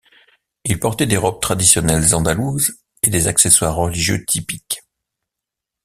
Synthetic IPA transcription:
ilpɔʁt̪ɛd̪eʁɔb̚t̪χad̪isjɔnɛlzɑ̃d̪aluz | ed̪ezakseswaʁːəliʒjø̰t̪ʰipik

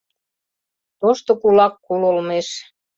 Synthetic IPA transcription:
t̪oʃt̪ŏkulɑkːulolmeʃ

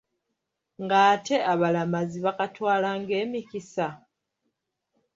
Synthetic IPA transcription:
ŋɡaːte̞aβalamaziβakatwaːlaŋɡe̞ːmikisa

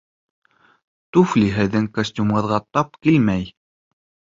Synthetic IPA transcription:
t̪ufliɦɘ̆ðɘŋkosʲt̪ʲumʁɤ̆ðʁɑt̪ɑp̚kilmæj

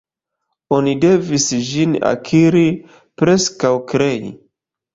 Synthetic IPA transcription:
o̞nide̞visd͡ʒina̰kʰiɾi | pɾe̞skawkɾe̞jḭ

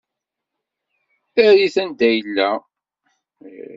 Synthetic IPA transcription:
θæɾiθænd̪æjəlːæ

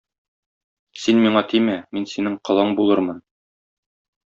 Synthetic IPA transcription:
sinmiɴɑt̪ʰimæminsinɘŋqɤ̆lˠɤɴbulˠɤɾmɤn

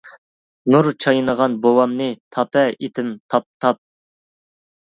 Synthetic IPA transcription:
nuɾt͡ʃʰɑjnəʁɑnbowɑmnɨt̪ʰɑpɛet̪ʰɪmt̪ʰɑp̚t̪ʰɑp̚

